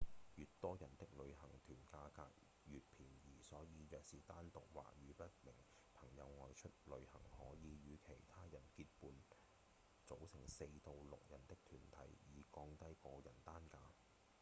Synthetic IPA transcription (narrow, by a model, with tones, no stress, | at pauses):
jyː˨t̚t̪ɔː˥jɐ˨˩nt̪ɪ˥k̚lɵ˨˧ɥhɐ˨˩ŋt̪ʰyː˨˩nkaː˧ka̰ː˧k̚ | jyː˨t̚pʰiː˨˩njiː˨˩sɔː˨˥jiː˨˧jœː˨k̚siː˨˩t̪aː˥nt̪ʊ˨k̚wa̰ː˨˩k̚jyː˨˧pɐ˥t̚mɪ˨˩ŋ | pʰɐ˨˩ŋjɐ˨˧wŋɔː˨jt͡ʃʰɵ˥t̚lɵ˨˧ɥhɐ̰˨˩ŋhɔː˨˥jiː˨˧jyː˨˧kʰe˨˩jt̪ʰaː˥jɐ˨˩nkiː˧t̚puː˨n | t͡so˨˥wsɪ˨˩ŋse˧jt̪o˨˧wlʊ̰˨k̚jɐ˨˩nt̪ɪ˥k̚t̪ʰyː˨˩nt̪ʰɐ˨˥jjiː˨kɔː˧ŋt̪ɐ˥jkɔː˧jɐ˨˩nt̪aː˥nkaː˧